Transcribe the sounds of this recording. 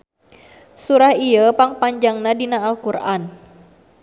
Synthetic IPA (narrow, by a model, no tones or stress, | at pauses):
suɾahiəpaŋpaɲd͡ʒaŋnadinaːlkurʔan